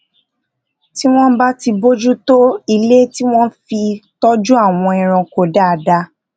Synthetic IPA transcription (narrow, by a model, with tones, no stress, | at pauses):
ti˦w̃ɔ̃˦ba˦ti˧bo˦d͡ʒu˦to˦i˧le˦ti˦w̃ɔ̃˦fi˧tɔ˦d͡ʒu˦a˦˨w̃ɔ̃˧ĩ˨ɾ̃ã˧ko˨da˨˦˨da˧